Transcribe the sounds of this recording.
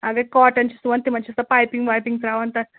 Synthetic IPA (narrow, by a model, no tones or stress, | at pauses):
ɐɡɐkɔːʈɐnt͡ʃʰisuʋɐnt̪imɐnt͡ʃʰisɐpaːjpiŋɡʋaːjpiŋɡt̪ɾaːʋɐnt̪ɐ